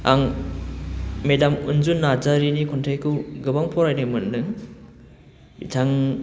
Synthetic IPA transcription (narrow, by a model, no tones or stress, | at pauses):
aŋ | medamunzunːad͡ʒaɾinikʰɔntʰajkʰɯwɡɯbaŋpʰɔɾajnɯmɯnːɯ | bitʰaŋ